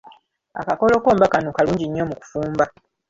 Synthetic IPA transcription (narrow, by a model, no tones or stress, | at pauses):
a̰kako̞lo̞ːko̞ːmbakanokaluːɲɟiɲːo̞muku̥fuːmba